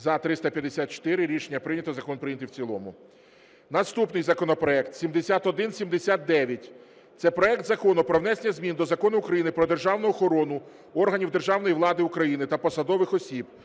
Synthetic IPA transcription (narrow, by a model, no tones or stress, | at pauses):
zɐt̪ɾɪst̪ɐpʲjɐd̪esʲat̪̚t͡ʃɔ̥t̪ɪɾɪɾʲiʃenʲːɐpɾɪnʲɐt̪ɔzɐkɔnpɾɪjnʲɐt̪ɪwt͡sʲilˠɔmʊ | nɐst̪upnɪjzɐkɔnɔpɾɔɛkt̪sʲimd̪esʲat̪ɔd̪ɪnsʲimd̪esʲat̪̚d̪ɛʋʲjɐtʲ | t̪sɛpɾɔɛkt̪zɐkɔnʊpɾɔʋnɛsenʲɐzʲmʲind̪ɔzɐkɔnʊːkɾɐjinɪpɾɔd̪e̞rʒɑwnʊɔxɔɾɔnʊ | ɔrɦɐnʲiwd̪erʒɑwnɔjiʋlˠɑd̪ɪukɾɐjinɪt̪ɐpɔsɐd̪ɔʋɪxɔsʲib